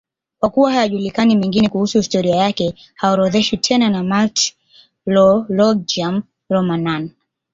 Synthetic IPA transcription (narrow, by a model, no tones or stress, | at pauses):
kwakuwahajaʄulikanimɛŋɡinɛkuhusuhistɔɾiajakɛ | haɔɾɔðɛʃitʰɛnanamalt | lɔlɔd͡ʒam | ɾɔmanan